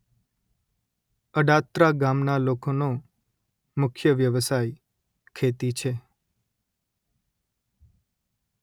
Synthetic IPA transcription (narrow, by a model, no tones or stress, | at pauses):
əɖat̪ɾaɡamnalokono | mʊkʰjəʋjəʋəsaj | kʰet̪it͡ʃʰe